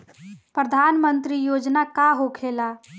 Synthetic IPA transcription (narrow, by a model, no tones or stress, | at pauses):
pɾəd̪ʱaːnmənt̪ɾijoːd͡ʒnakaɦokʰeːla